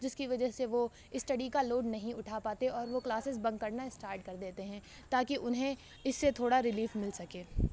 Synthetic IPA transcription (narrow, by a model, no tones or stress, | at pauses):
d͡ʒɪskiʋɐd͡ʒəseʋo | ɪsʈɐɖikaloːɖnɐɦĩʊʈʰapaːt̪eɔːɾʋoklaːsɪsbɐ̃ŋɡkɐɾnaɪsʈaːɾʈ̚kɐɾd̪eːt̪eɦɛ̃ | t̪aːkiʔʊnɦẽ | ɪsːet̪ʰoːɽaɾɪliːfmɪlsɐkeː